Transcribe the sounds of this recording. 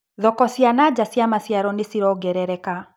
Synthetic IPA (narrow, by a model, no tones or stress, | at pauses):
ðɔkɔsjanad͡ʑasjamasjaɾɔnesiɾɔɡɛɾɛɾɛka